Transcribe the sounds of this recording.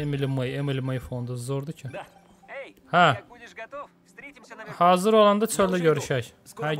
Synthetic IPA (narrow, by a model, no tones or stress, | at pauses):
emilʲimajemilʲimajifond̪uzoɾd̪ucʰi | hæ | haːzɯɾo̞lˠand̪at͡ʃʰølʲd̪ɛɟøɾyʃæj | hæ